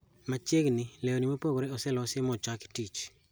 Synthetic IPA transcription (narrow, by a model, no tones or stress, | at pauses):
mat͡ʃeɡnileonimopoɡoɾeɔsɛlɔsemɔt͡ʃwaktit͡ʃ